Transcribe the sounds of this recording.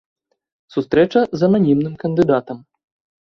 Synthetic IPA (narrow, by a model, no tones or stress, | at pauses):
sust̪ɾɛt͡ʂɐzɐnanʲimnɨmkɐnd̪ɨd̪at̪ɐm